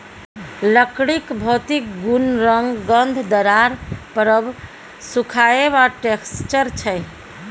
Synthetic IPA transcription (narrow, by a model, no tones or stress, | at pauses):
ləkɽikbʱɔt̪ik̚ɡunɾəŋɡːənd̪ʱd̪əɾaɾpəɾəb | sukʰaebaʈekst͡ʃəɾt͡ʃʰəj